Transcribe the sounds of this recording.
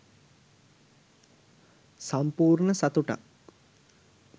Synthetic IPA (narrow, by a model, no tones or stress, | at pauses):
sampuːrɳəsat̪uʈa̰k